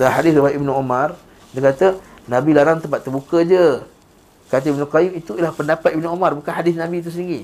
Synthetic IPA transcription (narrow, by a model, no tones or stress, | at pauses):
dəlahɦadɪsɾibaʔibnuomãr | dəkat̪ə | nãbilaɾaŋt̪əmp̬at̪ːərbukəd͡ʒə | kat̪əibnukajumit̪uilahpəndapat̪̚ibnuomarbukanɦadɪsnãbit̪̬usəniŋɡi